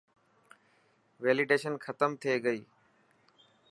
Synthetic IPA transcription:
ʋeːlɪɖeːʃənxʰət̪əmt̪ʰieɡəiː

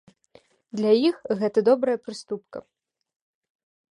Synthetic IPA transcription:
d̪lʲajixɣɛt̪ɐd̪ɔbɾɐjɐpɾɨst̪up̚kɐ̰

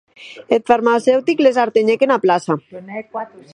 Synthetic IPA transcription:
et̪faɾmasewt̪iklez̬aɾt̪eɲekenaplasa

